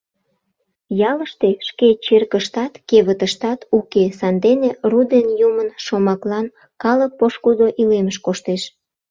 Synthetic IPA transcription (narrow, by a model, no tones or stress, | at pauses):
jɑləʃt̪eʃket͡ɕerkəʃt̪ɑt̪keβət̪əʃt̪ɑt̪ukesɑnd̪enerud̪enjumənʃomɑklɑn | kɑlək̚poʃkud̪oʔileməʃkoʃt̪eʃ